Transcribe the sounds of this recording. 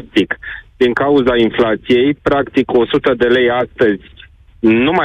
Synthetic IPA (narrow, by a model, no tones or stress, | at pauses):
t̪ikd̪̥iŋkauzainflat̪sije̞jpɾakt̪iko̞sut̪əd̪e̞le̞jast̪əzʲ | numa